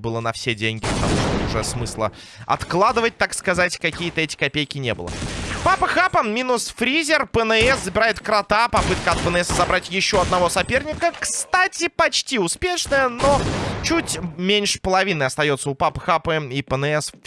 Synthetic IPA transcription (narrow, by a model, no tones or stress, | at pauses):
bɨlˠənɐfsʲedʲenʲɡʲɪpə̥t̪ɐ̰muʂt̪ʊʐɛsmɨslˠə̰ | ɐ̰t̪klˠad̪ɨvət̚ʲt̪akskɐzatʲkɐkʲijət̪əɛtʲɪ̥kɐpʲejkʲɪnʲe̞bɨ̰lˠə̰papəxapəmʲinʊsfɾʲizʲɪrpənɨɛszəbʲɪɾajɪt̪kɾɐt̪apɐpɨt̪kəɐt̪̚pənɛsəzɐbɾatʲjɪɕːo̞ɐd̪nɐvo̞sɐpʲe̞rnʲɪkəkst̪atʲɪpɐt͡ɕtʲiʊspʲe̞ʂnəjəno̞t͡ɕutʲmʲenʲʂɨ̥pəlˠɐvʲinəjɐst̪ɐjo̞t̪səʊpapəxapəipənɨɛs